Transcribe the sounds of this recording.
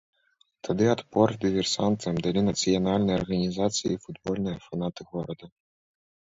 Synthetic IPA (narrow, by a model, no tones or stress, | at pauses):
t̪ʰad̪ɨɐt̪pɔrd̪ʲɨvʲɛrsant̪ɐmd̪alʲinɐt̪sɨjɐnalʲnɨjɐrɣɐnʲizat̪sɨjḭfud̪bɔlʲnɨjɐfan̪at̪ɨɣɔɾɐd̪ɐ